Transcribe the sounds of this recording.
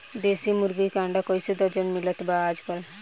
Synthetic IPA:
d̪esimuɾɡikãɳɖakɔjsed̪ɔɾd͡ʒɔnmilət̪baːd͡ʒkɔl

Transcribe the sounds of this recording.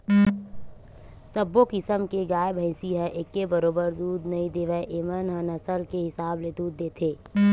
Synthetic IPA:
səbːokɪsəmkeɡaːjbʱə̃ɪsiɦɛʔekːebəɾoːbəɾd̪uːd̪nɐĩd̪eːʋəʔeːmənɦənɐsəlkeɦɪsaːbled̪uːd̪̚ːeːt̪ʰeː

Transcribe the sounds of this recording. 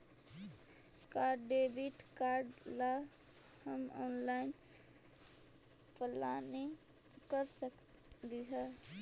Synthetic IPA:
kaːɾɖːebiʈkaːɾɖla | həmɔ̰ːnlaːɪn | pəlane | kəɾsək | d̪iɦa

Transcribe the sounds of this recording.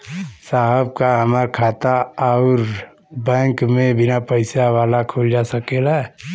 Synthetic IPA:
saːɦəb̚kaɦəmaːɾkʰaːt̪aaʊɾ | bɛ̃ːŋkmẽbɪnapəɪsaʋaːlakʰoːld͡ʒasəkela

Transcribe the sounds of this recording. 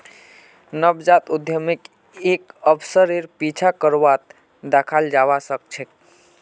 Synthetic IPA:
nəbd͡ʒat̪ud̪ʱjəmik | ekəbsəɾiɾpit͡ʃʰakəɾʋat̪ | d̪akʰald͡ʒawasək̚t͡ʃʰek̚

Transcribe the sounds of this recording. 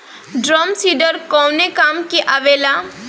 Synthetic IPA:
ɖɾɔːmsiːɖəɾkɔːnekaːmkiʔaʋeːla

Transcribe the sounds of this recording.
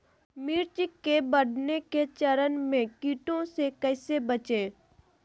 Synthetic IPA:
miːɾt͡ʃɪkːebɐɽ̤neket͡ʃɐɾənmẽkiːʈõsekɛːsebət͡ʃẽː

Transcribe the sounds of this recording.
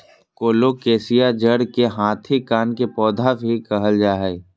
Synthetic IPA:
koːlokeːsijad͡ʒəɽkeɦãːt̪ʰikaːnkepɔːd̪ʱabʱikɐɦəld͡ʒaːɦɛː

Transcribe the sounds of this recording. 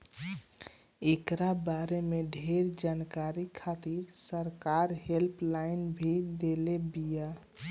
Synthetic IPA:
ekɾabaɾemeɖʱeɾd͡ʒankaɾikʰat̪iɾsəɾkaɾɦelpʰlaɪnbʱid̪elebija

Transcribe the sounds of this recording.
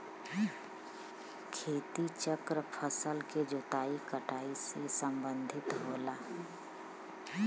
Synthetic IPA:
kʰeːt̪it͡ʃəkɾəpʰəsəlked͡ʒot̪aːikəʈaːisesə̃mbə̃nd̪ʱɪt̪ɦoːlaː

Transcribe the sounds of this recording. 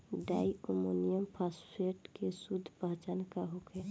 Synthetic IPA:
ɖaːiomonijəmpʰaspʰeʈkesud̪ʱpəɦt͡ʃankaɦokɛ

